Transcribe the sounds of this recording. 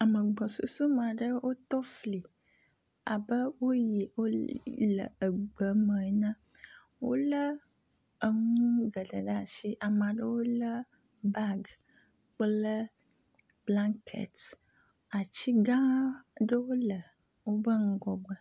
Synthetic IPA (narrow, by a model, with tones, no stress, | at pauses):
a˨mə˨ɡ͡bɔ˨sṵ˦su˦mã˨ɖə˦wo˦t̪ɔ˦fli˨ | a̰˨bə˦wo˦ji˨wo˦lə̰˨ə˨ɡ͡bə˨mə̃˨˦nã˦ | wo̰˦lə˦ | ə˨ŋ̃ũ˦ɡə˨ɖə˨ɖa˦˨ʃi˦ʔa˨mã˨ɖə˦wo˦lə˦ | ba˦ɡ | k͡plə˦ | b̥la˦ŋkʰḛ˨t̪ | a˨t͡ɕi˦ɡã˦ɖə˦wo˦lə˨ | wo˦bə˦ŋu˦ɡɔ˨ɡ͡bə˨